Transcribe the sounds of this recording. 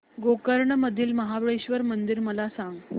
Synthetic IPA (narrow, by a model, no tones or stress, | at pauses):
ɡokəɾɳəməd̪ʱiːlməɦabəɭeɕʋəɾmənd̪iɾməlasãŋɡ